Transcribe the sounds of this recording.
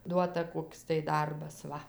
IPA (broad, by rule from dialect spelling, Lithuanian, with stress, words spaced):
ˈduɔtɐ ˈkoːks tɐɪ ˈdɐrbɐs ˈʋɐ